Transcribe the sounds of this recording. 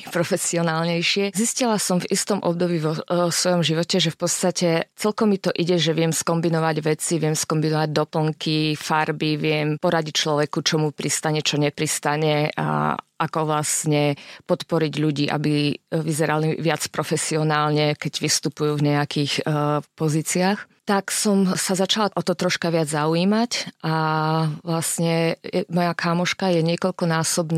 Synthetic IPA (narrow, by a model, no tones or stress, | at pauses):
pɾɔfɛsiɔnaːlɲɛjʃɪɛziscilasɔmvist̪ɔmʔɔ̰b̚d̪ɔbiːʋɔsʋɔjɔmʒiʋɔcɛʒɛfpɔt̪t͡st̪acɛt͡sɛlkɔmit̪ɔʔiɟɛʒɛʋɪɛmskɔmbinɔʋaɟʋɛt͡siʋɪɛmskɔmbinɔʋaɟ̚d̪ɔpl̩ŋkʰifaɾbiʋɪɛmpɔɾaɟic̚t͡ʃlɔʋɛkut͡ʃɔmupɾist̪aɲɛt͡ʃɔɲɛpɾist̪aɲɛa̰akɔʋlastɲɛpɔt̪pɔɾiɟʎuɟiːʔa̰biʋizɛɾaliʋɪat͡spɾɔfɛsiɔnaːlɲɛkɛɟʋist̪upujuvɲɛakixpɔziːt͡siax | t̪aksɔmsazat͡ʃalaʔɔt̪ɔt̪ɾɔʃkaʋɪad͡zzauiːmacʔaʋlasɲɛɛmɔjakamɔʃkajɛɲɪɛkɔʎkɔnaːsɔbn